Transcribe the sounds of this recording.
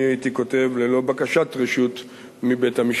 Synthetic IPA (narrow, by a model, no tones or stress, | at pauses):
aitiko̞te̞vlelo̞bakaʃatʁeʃut | mibetamiʃ